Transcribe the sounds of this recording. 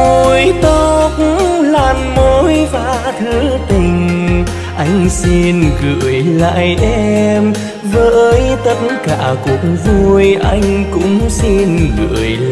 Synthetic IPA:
o˧˩jt̪o˧k̚ŋ̩˧laː˨˩mmo˨˧˦jfaː˨˧˩t̪ʰɨ˨˦t̪ï˨˩ŋ̟ | ʔa˧jŋ̟si˧nɣɨ̰˧˨əjla̰ː˧˨jʔɛ˧m | vəː˨˦jt̪ə˧t̚nka̰ː˧˩ku˨˩ək̚ŋvu˧jʔa˧jŋ̟kʊ̰˧˥ŋ͡msi˧nɣɨ̰˧˩əj

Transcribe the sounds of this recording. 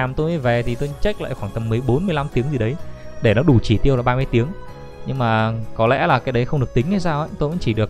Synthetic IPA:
a˨˩mt̪o˧jma˨˦jve˨˩t̪ʰi˨˩t̪o˧jt͡ɕa˦˥k̟̚la̰ː˧˨jxwaː˧˩ŋt̪ə˨˩mːɨ˨˩əjɓo˨˦nmɨ˧əla˧mt̪i˨˦əŋzi˨˩ɗə˨˦jɗe˧˩nɔ˨˦ɗu˧˩t͡ɕi˧˩t̪i˧əwlaː˨˩ɓaː˧mɨ˧əjt̪i˨˦əŋ | ɲɨ˧ŋmaː˨˩kɔ˨˦lɛ̰˧˥laː˨˩kaː˨˦jɗə˨˦jxə˧wŋ͡mɗɨ˨˩ək̚t̪ï˨˦ŋ̟a˨˧˦jsaː˧wha̰ː˧˥t̪o˧jvə̰˧˥ŋ͡mt͡ɕi˧˩ɗək̚

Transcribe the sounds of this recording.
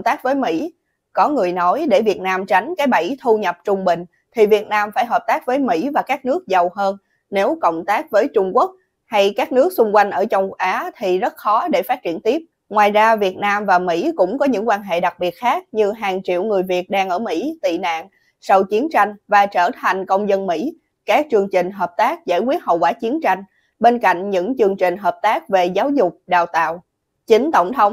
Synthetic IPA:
ŋ͡mt̪aː˦˥k̚vəː˨˦jmḭ˧˥ | kɔ˨˦ŋɨ˨˩əjnɔ˨˦jɗe˧˩vi˨˩ət̚naː˧mt͡ɕa˨˦jŋ̟kaː˨˦jɓə˧˩jt̪ʰu˧ɲə˨˩p̚t͡ɕʊ˧ŋ͡mɓï˨˩ŋ̟ | t̪ʰi˨˩vi˨˩ət̚naː˧mfaː˧˩jɦəː˨˩p̚t̪aː˦˥k̚vəː˨˦jmḭ˧˥vaː˨˩kaː˦˥k̚nɨ˦˥ək̚zə˨˩wɦəː˧nː | e˨˦wkə̰˧˨wŋ͡mt̪aː˦˥k̚vəː˨˦jt͡ɕʊ˧ŋ͡mku˦˥ək̚ | ha˧jkaː˦˥k̚nɨ˦˥ək̚sʊ˧ŋ͡mkwa˧jŋ̟ʔəː˧˩t͡ɕə˧wŋ͡mʔaː˨˦t̪ʰi˨˩zə˦˥t̚xɔ˨˦ɗe˧˩faː˦˥t̚t͡ɕi˧˩ənt̪i˦˥əp̚ | ŋwaː˨˩jzaː˧vi˨˩ət̚naː˧mvaː˨˩mḭ˧˥kʊ̰˧˥ŋ͡mkɔ˨˦ɲɨ̰˧˥ŋkwaː˧nɦḛ˧˨ɗa˨˩k̚ɓi˨˩ət̚xaː˦˥k̚ɲɨ˧ɦaː˨˩ŋt͡ɕḭ˧˨əwŋɨ˨˩əjvi˨˩ət̚ɗaː˧ŋʔəː˧˩mḭ˧˥t̪ḭ˧˨na̰ː˧˨ŋ | sa˧wt͡ɕi˨˦ənt͡ɕa˧jŋ̟vaː˨˩t͡ɕəː˧˩t̪ʰa˨˩jŋ̟kə˧wŋ͡mzə˧nmḭ˧˥ | kaː˦˥k̚t͡ɕɨ˧əŋt͡ɕï˨˩ŋ̟ɦəː˨˩p̚t̪aː˦˥k̚za̰ː˧˩jkwi˦˥ət̚hə̰˧˨wkwaː˧˩t͡ɕi˨˦ənt͡ɕa˧jŋ̟ | ɓe˧nka̰˧˨jŋ̟ɲɨ̰˧˥ŋt͡ɕɨ˧əŋt͡ɕï˨˩ŋ̟ɦəː˨˩p̚t̪aː˦˥k̚ve˨˩zaː˨˦wzʊ˨˩k͡p̚ɗa̰ː˧˨wt̪a̰ː˧˨w | t͡ɕi˨˦ŋ̟t̪ə˧˩wŋ͡mt̪ʰə˨˦wŋ͡m

